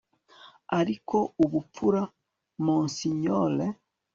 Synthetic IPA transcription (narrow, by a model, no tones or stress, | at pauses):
aɾikʰouβup͡fuɾa | mɔnsiɲɔlɛ